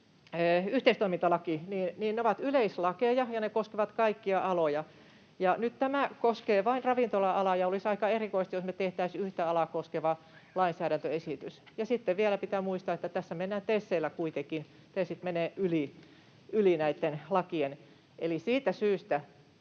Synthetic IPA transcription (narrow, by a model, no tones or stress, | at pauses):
øːyht̪eist̪oimint̪ɑlɑkiniːnniːnneoʋɑt̪yleislɑkejɑjɑnekoskeʋɑt̪kɑikːiɑʔɑlojɑ | jɑnyt̪t̪æmækoskeːʋɑinrɑʋint̪olɑʔɑlɑjɑolisɑikɑerikoist̪josnet̪eht̪æisyht̪æɑlɑkoskeʋɑ | lɑinsæːɾænt̪øesit̪ys | jɑsit̪ːeʋʋiælæpit̪æmuist̪ɑet̪ːæt̪æsːæmenːæːnt̪esːeːlækuit̪ekin | t̪esit̪meneːʔyli | ylinæit̪ːenlɑkien | ʔelisiːt̪æsyːst̪æ